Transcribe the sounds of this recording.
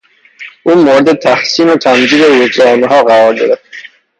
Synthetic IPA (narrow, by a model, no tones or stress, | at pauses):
ʔuːmoɾed̪et̪ʰæhsiːnot̪ʰæmd͡ʒiːd̪eɾed͡ʒɾæniɦɒːɣæɾɒːɾd̪eɾeft̪